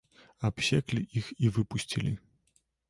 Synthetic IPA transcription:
apɕʲɛklʲiʔixivɨpusʲt͡sʲilʲi

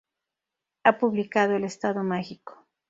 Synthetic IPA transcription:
apuβlikað̞oelest̪aðomexiko̥

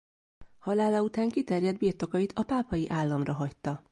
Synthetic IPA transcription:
hɒlaːlɒut̪aːŋkit̪ɛrjɛd̪biːrt̪o̞kɒjit̪ʰɒpaːpɒjiʔaːlːɒmrɒɦɒct̪ːɒ

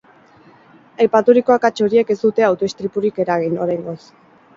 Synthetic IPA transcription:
ajpat̪uɾiko̞akat͡ʃo̞ɾie̞ke̞zd̪ut̪e̞awt̪o̞est̪ɾipuɾike̞ɾaɣ̞inoɾajŋɡo̞s

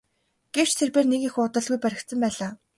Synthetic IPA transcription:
ɡ̥ew̥t͡ɕt̪ʰerpeːrnekixuʊt̪ə̆ɮɣujpæɾʲɪ̆kt̪sə̆mpæːɮaː

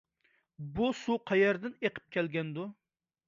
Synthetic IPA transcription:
busuqʰɑjɛɾd̪ɪneqʰə̥p̚kʲʰɛlɡʲɛnd̪u

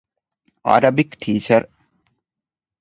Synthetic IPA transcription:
a̰ɾɐbikʈʰiːt͡ʃɐɾ

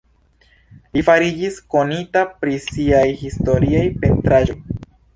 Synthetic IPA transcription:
lifaɾid͡ʒisko̞nitapɾisiajhisto̞ɾiajpe̞ntɾaʒo̞j

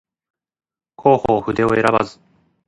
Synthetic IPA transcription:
kʰo̞ːhoːɸɯ̟d̪e̞o̞e̞ɾabazɨ̥

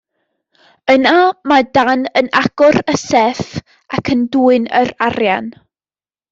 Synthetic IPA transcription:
ənamadanənaɡ̥ʊɾəsɛf | akʰənduːɨnəɾarjan

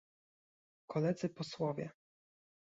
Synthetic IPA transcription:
kʰɔlɛd̪zɘpɔswɔvʲjɛ

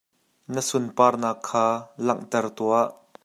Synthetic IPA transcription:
nəsʊnpaːrnaːkʰːaːlɐŋʔt̪ɛrt̪uaʔ

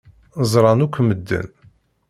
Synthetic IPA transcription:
zˤɾˤɑnukʷʰːməd̪ːə̰n

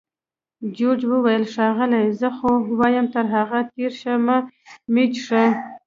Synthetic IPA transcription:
d͡ʒod͡ʒwəwajəlʂɑɣəlajzəxowɑjəmt̪əɾɦaɣat̪eɾʃamamit͡ʃʂə

